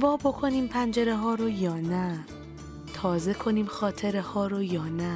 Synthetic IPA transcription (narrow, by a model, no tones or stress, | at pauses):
vɒːbo̞kʰo̞niːmpʰænd͡ʒeɾeɦɒːɾojɒːnæ | t̪ʰɒːze̞kʰo̞niːmxɒːt̪ʰeɾehɒːɾojɒːnæ